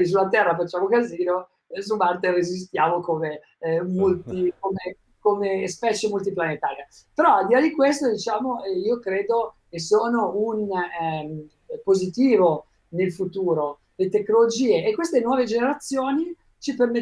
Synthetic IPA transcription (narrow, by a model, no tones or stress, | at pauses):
is̬ulat̪ɛrːafat͡ʃːaːmokaziːno | subart̪erezis̬t̪jaːmokome | molt̪ikome | komespɛːt͡ʃemult̪iplanet̪aːɾia | peɾɔald̪ilad̪ikwest̪od̪it͡ʃaːmoɛiːokɾeːd̪okesoːnounm | pozit̪iːvo | nelfut̪uːɾo | let̪ekːnolod͡ʒiːeʔːkwest̪enwɔːved͡ʒeneɾat̪sːjoːni | t͡ʃiperme